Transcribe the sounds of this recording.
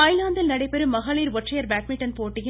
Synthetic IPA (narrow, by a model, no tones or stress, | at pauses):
aːjlaːnd̪ɪlnɐɽɐɪpːɛɾɯmːɐɣaːɭiːɾʋɔʈʈrɐjɐɾbaːʈmɪʈɐnpoːʈːɪjɪ